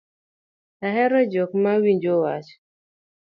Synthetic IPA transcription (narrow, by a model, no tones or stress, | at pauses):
aɦɛɾɔd͡ʒɔk̚mawiɲd͡ʒowat͡ʃ